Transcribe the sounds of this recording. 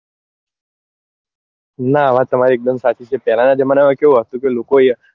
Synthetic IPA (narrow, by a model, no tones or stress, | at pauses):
naəʋ̤ãt̪əmaɾiek̚d̪əmsat͡ʃit͡ʃʰepɛɦlanad͡ʒemanaʋãkeũɦət̪ũkelokoje